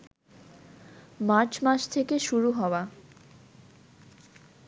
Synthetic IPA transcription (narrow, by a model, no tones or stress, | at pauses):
maɾt͡ɕmaʃt̪ʰekeʃuɾuɦɔoa